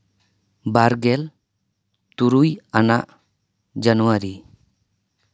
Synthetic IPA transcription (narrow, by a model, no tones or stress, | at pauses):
baɾɡɛl | t̪uɾujanaʔ | d͡ʒanuwaɾi